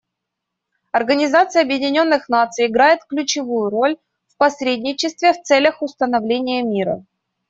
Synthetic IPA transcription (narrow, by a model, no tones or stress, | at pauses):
ɐrɡənʲɪzat̪sɨjəɐbjɪdʲɪnʲo̞nːɨxnat̪sɨjɪɡɾajɪt̪klʲʉt͡ɕɪvujʊɾo̞lʲ | fpɐsɾʲedʲnʲɪt͡ɕɪst̪vʲɪft̪sɛlʲəxʊst̪ənɐvlʲenʲɪjəmʲiɾə̰